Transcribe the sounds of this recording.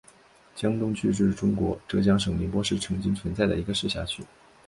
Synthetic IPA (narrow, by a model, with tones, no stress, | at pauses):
t͡ɕjɑ˥ŋt̪ʊ˥ŋt͡ɕʰy˥˧ʂɻ̩˥˩ʈ͡ʂʊ˥ŋkwɔ̰˧˥ʈ͡ʂɤ˥˩t͡ɕjɑ˥ŋʂɤ˨˩ŋli˧˥npwɔ˥ʂɻ̩˥˩ʈ͡ʂʰɤ˧˥ŋt͡ɕi˥ŋt͡sʰwə˧˥nt͡sa˥˩ɪd̪ə̰˩i˧˥ɡə˧ʂɻ̩˥˧ɕja̰˥˩t͡ɕʰy˥˩